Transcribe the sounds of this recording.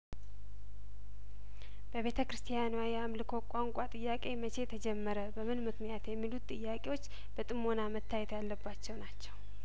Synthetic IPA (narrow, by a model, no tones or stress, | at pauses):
b̥əβe̞t̪ʰəkɾɨst̪ʰijanuwajɛamlɨkʰo̞kʷʼaŋkʼat̪ʼɨjːakʼe̞mət͡ʃʰe̞t̪ʰəd͡ʒɛmːəɾəbəmɨnmɨknijat̪jɛmːilut̪ʼːɨjːakʼe̞wo̞t͡ʃː | b̥ət̪ʼɨmːo̞namət̪ʰːajɛt̪jalːəbːat͡ʃːɛwnat͡ʃːɛw